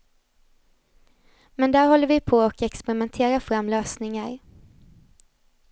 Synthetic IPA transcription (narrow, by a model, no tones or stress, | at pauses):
mɛnd̪æːɾɦɔlːəɾvɪpʰɔɔkɛkspɛɾɪmɛnt̪ʰeːɾafɾamːløːsnɪŋaɾ